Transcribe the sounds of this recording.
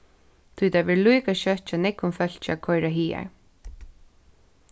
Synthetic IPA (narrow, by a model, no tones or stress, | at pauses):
t̪ʰujt̪ʰaʋɪɹlujkaʃœt͡ʃanɛkʊnfœl̥t͡ʃa̰kʰɔjɾaɦiːa̰ɹ